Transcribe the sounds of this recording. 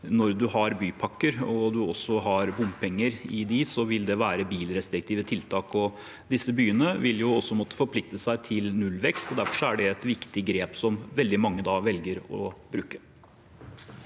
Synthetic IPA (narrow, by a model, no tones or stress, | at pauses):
nɔɾd̪ʉɦɑɾbyːpʰɑkːəɾɔd̪ʉɔsːɔɦɑɾbʊmpʰɛŋːəɾɪd̪isɔʋɪld̪ɛʋæːɾəbiːlɾɛst̪ɾɪk̚t̪ʰiːʋət̪ʰɪlt̪ʰɑːkɔ | d̪ɪsːəbyːənəʋɪljʊɔsːɔmɔt̪ːə̥fɔɾpʰlɪk̚t̪əsæɪt̪ʰɪlnʉlʋɛkst̪ɔd̪æɾfɔʂɔæɖɛɛt̪ʋɪkt̪ɪɡɾeːpsɔmʋɛld̪ɪmɑŋːəd̪ɑːʋɛlɡəɾɔ̰bɾʉːkə